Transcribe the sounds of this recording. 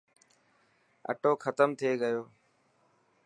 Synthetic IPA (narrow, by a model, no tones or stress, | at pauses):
ə̰ʈoːkʰət̪əmt̪ʰeːɠəjoː